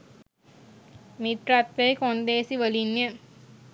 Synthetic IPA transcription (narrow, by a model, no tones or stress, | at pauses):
mit̪ɾat̪ʋejkond̪eːsiʋəlinjə